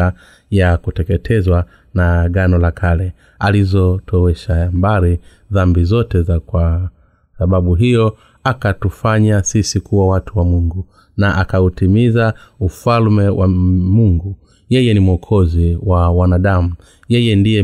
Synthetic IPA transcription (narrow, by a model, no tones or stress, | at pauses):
a | jakutɛkɛtʰɛzwa | naɡanɔlakʰalɛ | alizɔtʰɔwɛʃajambaɾi | ðambizɔtɛzakwa | saɓaɓuɦijɔ | akatufaɲasisikuwawatʰuwamuŋɡu | naʔakautimizaufalmɛwʔa̰muŋɡu | jɛjɛnimuɔkʰɔziwawanaɗamu | jɛjɛndijɛ